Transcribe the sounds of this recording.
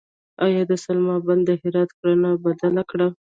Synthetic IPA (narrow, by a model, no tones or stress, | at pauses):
ɑjɑd̪əsalmɑband̪ːəɦɪɾɑt̪kɽanabad̪alakɽa